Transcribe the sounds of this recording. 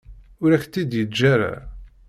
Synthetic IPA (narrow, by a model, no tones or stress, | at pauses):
ʊɾæçt̪ːid̪jəd͡ʒːæɾa̰